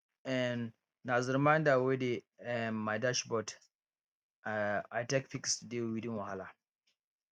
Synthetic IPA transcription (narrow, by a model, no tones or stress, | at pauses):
ɛnː | azɾimãj̃ndawediɛnmajdaʃbɔt | ajtɛkfikstudilwidĩnwahala